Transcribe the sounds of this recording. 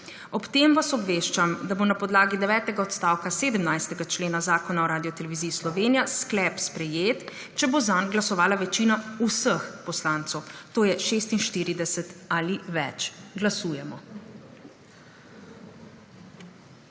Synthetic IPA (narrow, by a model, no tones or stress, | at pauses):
ɔpt̪emʋasɔbʋeːʃt͡ʃamd̪abonapɔd̪laːɡid̪ɛʋɛːt̪ɛɡaɔt̪st̪aːwkaseːd̪əmnajst̪ɛɡat͡ʃleːnazaːkɔnaɔɾaːd̪ijɔt̪ɛlɛʋiziːslɔʋeːnijasklɛpspɾɛjeːt̪ | t͡ʃɛbozanɡlasɔʋaːlaʋɛt͡ʃinausəxpɔslaːnt̪sɔwt̪oːjɛʃeːst̪inʃt̪iːɾid̪ɛsɛt̪aliʋɛ̰t͡ʃɡlasuːjɛmɔ